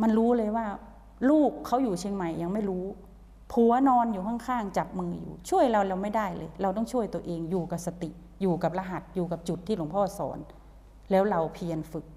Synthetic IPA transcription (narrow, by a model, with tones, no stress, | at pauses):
ma˧nɾuː˦˥lɤː˧jwaː˥˩ | luː˥˩kʰːa˦˥wjuː˨˩t͡ɕʰeː˧ŋma˨˩jːa˧ŋma˥˩jɾuː˦˥ | pʰu˨˩˦ɐnɔː˧njuː˨˩kʰa˥˩ŋkʰaː˥˩ŋt͡ɕa˨˩p̚mɯː˧jṵː˨˩t͡ɕʰu˥˩əjɾa˧wlɛː˦˧˩wma˥˩jda˥˩jlɤ̰ː˧jɾa˧wt̪̬ɔ˥˩ŋt͡ɕʰu˥˩əjt̪u˧ɐʔeː˧ŋjuː˨˩ka˨˩p̚sa˧t̪i˨˩ʔ | juː˨˩ka˨˩p̚la˧ɦa˨˩t̪̚juː˨˩ka˨˩p̚t͡ɕu˨˩t̪ʰːiː˥˩lo˩˦ŋpʰɔː˥˩sɔ̰ː˩˦n | lɛː˦˥wɾa˧wpʰi˧ənfɯ˨˩k̚